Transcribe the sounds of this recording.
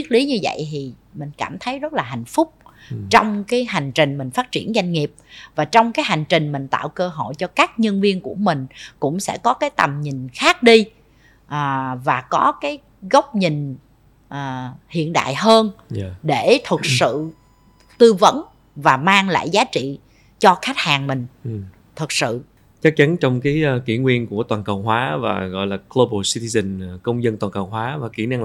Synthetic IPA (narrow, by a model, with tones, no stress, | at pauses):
i˦˥t̚li˨˦ɲɨ˧və̰˧˨jt̪ʰi˨˩ | mï˨˩ŋ̟kaː˧˩mt̪ʰə˨˦jzə˦˥t̚laː˨˩a̰˧˨jŋ̟fʊ˦˥k͡p̚t͡ɕɔ˧wŋ͡mkaː˨˦jɦa˨˩jŋ̟t͡ɕï˨˩ŋ̟mï˨˩ŋ̟faː˦˥t̚t͡ɕi˧˩ənza˧jŋ̟ŋi˨˩əp̚vaː˨˩t͡ɕɔ˧wŋ͡mkaː˨˦jɦa˨˩jŋ̟t͡ɕï˨˩ŋ̟mï˨˩ŋ̟t̪a̰ː˧˨wkəː˧ɦo̰˧˨jt͡ɕɔ˧kaː˦˥k̚ɲə˧nvi˧ənku˧˩əmï˨˩ŋ̟kʊ̰˧˥ŋ͡msɛ̰˧˥kɔ˨˦kaː˨˦jt̪ə˨˩mɲï˨˩ŋ̟xaː˦˥k̚ɗi˧ | ʔaː˨˩vaː˨˩kɔ˨˦kaː˨˦j | ɣə˦˥wk͡p̚ɲi˨˩ŋ | ʔəː˨˩hḭ˧˨ənɗa̰ː˧˨jhəː˧n˧ɗe˧˩t̪ʰə˨˩k̚sɨ̰˧˨ | t̪ɨ˧və̰˧˦n | vaː˨˩maː˧ŋla̰ː˧˨jzaː˨˦t͡ɕḭ˧˨ | t͡ɕɔ˧xa˦˥jk̚haː˨˩ŋmï˨˩ŋ̟˨˩ | t̪ʰɨ˨˩k̚sɨ̰˧˨ | t͡ɕə˦˥k̚t͡ɕa˨˦nt͡ɕɔ˧wŋ͡mkaː˨˦jkḭ˧˩ŋwi˧ənku˧˩ət̪waː˨˩nkə˨˩wŋ͡mɦwaː˨˦va̰ː˨˩ɣɔ̰˧˨jlaː˨˩klo˧ɓo˧si˧t̪i˧zə˧˩nkə˧wŋ͡mzə˧nt̪waː˨˩nkə˨˩wɦwaː˨˦vaː˨˩kḭ˧˩na˧ŋ